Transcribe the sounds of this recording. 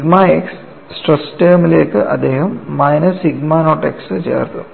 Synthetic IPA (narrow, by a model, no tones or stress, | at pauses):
iɡmaːeksː | ʈresʈɐːmileːkːɨʔɐ̰d̪ːe̞ːɦɐmːɐjnɐsiɡmaːnoːʈːeksɨt͡ɕḛːrt̪u